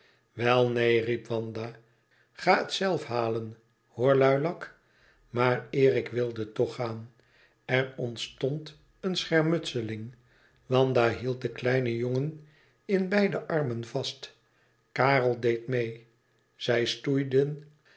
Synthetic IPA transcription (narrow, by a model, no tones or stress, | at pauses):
ʋɛlˠnejripʋɑnd̪aː | χaːətsɛlˠfɦaːlən | hoːɹlœɥlɑk | maːrɪːʁɪkʋɪlˠdətɔχaːn | ɛrɔntstɔnt | ənsχɛɹmɵtsəlɪŋ | ʋɑndaɦilˠt̚dəklɛjnəjoŋən | ɪnbɛjdəʔɑrmənvɑst | kaːrəlˠdejtmej | z̥ɛjstujdən